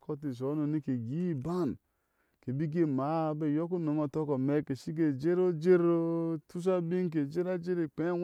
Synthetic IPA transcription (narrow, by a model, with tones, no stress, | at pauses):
kʰo˦t̬i˨s̬o˨˦no˨ni˦ke˨ɡi˦˨ba˦˨n | ke˨bi˦ɡe˦ma˨˦˨be˦˨jo˦ku˦no˨˦mo˨to˦ko˨me˦˨ke˨si˦k̬e˨d͡ʒe˦ɾo˦d͡ʒe˦ɾo˦tu˦s̬a˦bi˦ŋ˦k̬e˨d͡ʒe˦ɾa˦d͡ʒe˦ɾe˨k͡pe˦